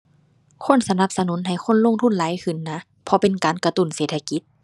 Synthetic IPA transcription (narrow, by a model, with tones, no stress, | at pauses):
kʰo˧˥˨nsa˧na˧˥p̚sa˧nu˨˦nɦa˨˩jxʰo˧˥˨nlo˧˥˨ŋt̪ʰu˧˥˨nlaː˨˦jkʰɯ˧˩nːa˧˥ | pʰɔ˧˦pe˨nkaː˨nka˧t̪u˧˩nseː˨˩t̪ʰːa˧ki˧˦t̪̚